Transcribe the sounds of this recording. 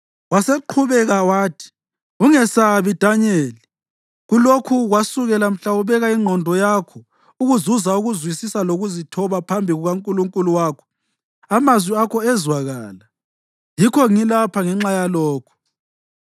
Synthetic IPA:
waseǃʰuβɛɣawaːtʰi̥ | uŋɛsaβid̥ʱaɲeːli | ɣulokʰuɣwasuɣɛlam̩ɬauβɛɣaiŋ͡ǃʱɔndʱɔjakʰɔ | uɣuzuzauɣuzwisisaloɣuzitʰɔβapʰambʱiɣuɣaŋkʼuluŋkʼuluwaːkʰɔ̥ | amazwiakʰɔɛzwaɣaːla | jikʰɔŋilapʰaŋɛŋ͡ǁajalɔːkʰɔ̥

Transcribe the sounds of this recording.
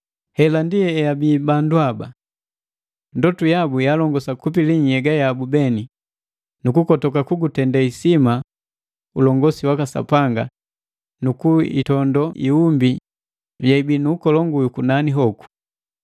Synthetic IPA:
hɛlandiɛɛjabiːbanduaba̰ | ndɔtujabujalɔŋɡɔsakup̬iliɲɛɡajabubɛni | nukukɔtɔkakuɡutɛndaisima | ulɔŋɡɔsiwakasa̰paŋɡa | nukuḭtɔndɔʔḭumbi | jaibinuːkɔlɔŋɡujukunaniɦɔku̥

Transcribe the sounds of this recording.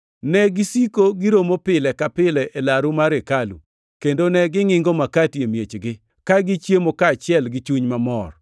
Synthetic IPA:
nɛɡɪsikoɡɪɾomopɪlɛkapɪlɛʔelaɾumaɾekalṵ | kendonɛɡɪŋɪŋɡomakatjemjet͡ʃɡɪ | kaɡɪt͡ʃjemokaːt͡ʃɪɛlɡɪt͡ʃuɲmamɔ̰r

